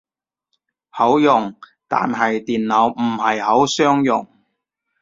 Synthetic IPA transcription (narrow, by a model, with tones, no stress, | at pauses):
hɐ˨˥wjʊ˨˩ŋ | t̪a̰ː˨nɦɐ˨jt̪iː˨nlɐ˨˧wm̩˨˩ɦɐ˨jɦɐ˨˥wsœː˥ŋjʊ̰˨˩ŋ